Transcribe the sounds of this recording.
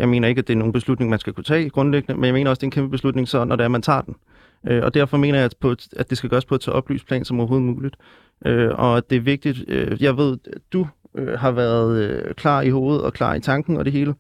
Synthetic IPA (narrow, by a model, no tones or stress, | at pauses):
jɑ̈ɪme̝̰ːnɐe̝ɡ̥æd̥e̝æɐno̝ːnb̥e̝slud̥ne̝ŋmænsɡ̥ækʰut͡sʰɛ̰ːɡ̥ʁɔ̽nleɡ̥nəmenjame̝̰ːnɐɒ̽sd̥e̝ːnkʰemb̥əb̥eslud̥ne̝ŋsɒ̽nʔɒɾeæɐmænt͡sʰɑ̰̈ːd̥en | ʔøɒ̽d̥æɐ̰fɒ̽me̝̰ːnɐjɑ̈ɪpʰɒ̽æd̥e̝sɡ̥æɡ̥ɶːɐspʰɒ̽t͡sʰɛ̰ːʔɒ̽b̥ly̰ːspʰlɛ̰ːnsɒ̽mɒʊɐɦo̝ːð̩ˠmuːlid̥ | ʔøɒ̽æd̥e̝æɐʋe̝ɡ̥̚d̥id̥øjɑ̈ɪʋe̝ð̞̰ˠd̥uøɦɑ̈ʋæɐð̞̩ˠkʰlɑ̰̈ːiho̝ːð̩ˠɒ̽kʰlɑ̰̈ːit͡sʰɑ̈ŋɡ̥n̩ɒ̽d̥e̝ɦe̝ːlə